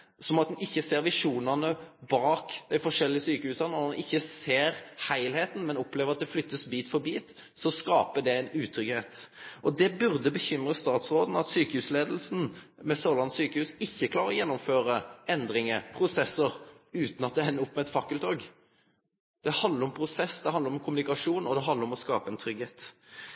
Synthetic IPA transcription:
sɔmɑt̪̚d̪ɛnɪçːəseːɾʋɪʂuːnɑnəbɑːkd̪̥æɪfɔʂɛlːɪəsyːkəhʉːsɑnɔd̪ɛnʔɪçːəseːɾhæɪlheːt̪n̩mɛnɔpːleːʋəɾɑt̪̚d̪ɛflʏt̪ːəsbiːt̪fɔɾbiːt̪ | sɔskɑːpəɖ̪ɛæɪnʉːt̪ʰɾʏɡheːt̪ʔɔd̪ɛbʉɾd̪əbəçʏmɾəst̪ɑːt̪sʁoːd̪n̩ɑt̪syːkəhʉːsleːd̪əl̩sn̩ | mɛsoːlɑnt̪syːkəhʉːsɪçːəkʰlɑːɾʁəɾɔjɛnːʊmføːɾəɛnd̪ɾɪŋəpʰɾʊsɛsəɾʉːt̪n̩ɑt̪̚d̪ɛɛnːəʊpːmɛɛt̪fɑkːəlt̪ʰoːɡ | d̪̥ɛhɑnd̪əɾʊmpʰɾʊsɛsd̪ɛhɑnd̪əɾɔmkʰʊmʉnɪkɑʂuːnɔd̪ɛɦɑnd̪ɾɔmɔskɑːpəɛnt̪ʰɾʏɡheːt̪

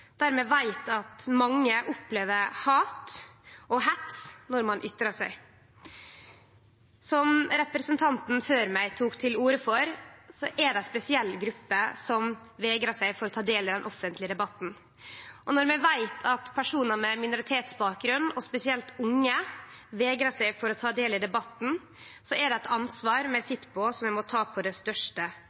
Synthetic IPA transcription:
d̪̥æɾmɛːʋæɪt̪ɑt̪mɑŋːəʔʊpleːʋəɾhɑːt̪ʔɔɦɛt̪snɔɾmɑnʔʏt̪ːɾɑʂæɪ | sɔmɾɛpɾɛsənt̪ʰɑnt̪n̩føːɾmæɪt̪ʰuːkt̪ʰɪluːɾəfɔɾsɔʔɛɖɛspɛsɪɛlːɡɾʉpːəsɔm | ʋeːɡɾəʂæɪfɔɾɔt̪ʰɑːd̪eːlɪd̪ɛnʔɔfːənt̪lɪəd̪ɛbɑt̪n̩ | ʔɔnɔɾmɛʋæɪt̪ʰɑt̪pʰæʂuːnəmɛmɪnʊɾɪt̪ʰeːt̪sbɑːk̚ɡɾʉnːɔspɛsɪɛlt̪ʊŋːəʋeːɡɾəʂæɪfɔɾɔt̪ʰɑːd̪eːlɪd̪ɛbɑt̪n̩ | sɔʔɛɖɛɛt̪ʰɑnsʋɑːɾmɛsɪt̪ːpʰɔsɔmjæɪmɔt̪ʰɑːpʰɔd̪ɛst̪œʂʈə

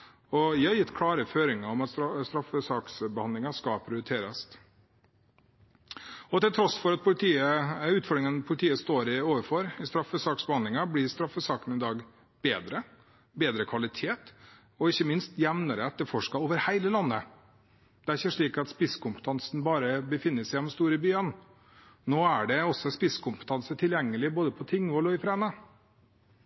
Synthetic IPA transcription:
ɔʋiːhɑɾjɪt̪ːkʰlɑːɾəføːɾɪŋɑɔmɑt̪sst̪ɾɑfəsɑːksbəhɑnd̪lɪŋɑskɑpʰɾɪʊɾət̪ʰeːɾəs | ɔt̪ɪlt̪ʰɾɔsfɔɾɑt̪̚pʰʊlɪt̪ʰiːəʉːt̪fɔɾɖɾɪŋənpʰʊlɪt̪ʰiːəst̪oːɾɪoːʋəɾfɔɾɪst̪ɾɑfːəsɑːksbəhɑnd̪lɪŋɑblɪɾst̪ɾɑfːəsɑːkənɪd̪ɑːɡ | b̥eːd̪ɾə | beːd̪ɾəkʰʋɑlɪt̪ʰeːt̪ | ɔɪçːəmɪnst̪jɛʋnəɾət̪̚d̪ɛfɔʂkɑoːʋəɾhæɪləlɑnːə | d̪̥ɛæɾɪçəʂɭiːkɑt̪spɪskʰʊmpə̥t̪ʰɑnsn̩bɑːɾəbəfɪnːəsæɪɛnɔmst̪uːɾəbyːən | noːæɖɛɔsːɔspɪskʊmpə̥t̪ʰɑnsət̪ʰɪljɛŋːəlɪboːd̪əpʰɔt̪ʰɪŋːʋɔlɔɪfɾɛːnə

